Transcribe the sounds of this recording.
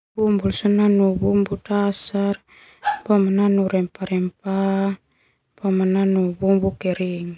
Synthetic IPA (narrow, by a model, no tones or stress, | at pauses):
bumbulsunanubumbutasar | bomananuɾɛmpaɾɛmpa | bomananubumbukɛɾiŋ